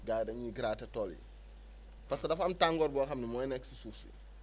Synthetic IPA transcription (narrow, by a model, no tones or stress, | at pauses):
ɡaːjdɐɲiɡiɾaːtɐtɔlḭ | paskɐdɐfɐmtaŋɡɔːɾbɔxɐmnimɔːjnɛkːsisuːfsḭ